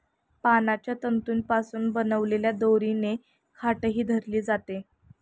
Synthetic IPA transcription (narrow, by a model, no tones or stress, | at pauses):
panat͡ɕjat̪ənt̪uːnpasuːnbənəʋleljad̪oɾine | kʰaʈəɦiːd̪ʱəɾliːd͡zat̪e